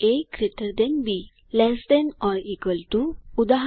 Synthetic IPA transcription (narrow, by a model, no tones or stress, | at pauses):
ekɾet̪əɾd̪ẽnbi | lɛsd̪enɔɾikəlt̪uud̪aɦ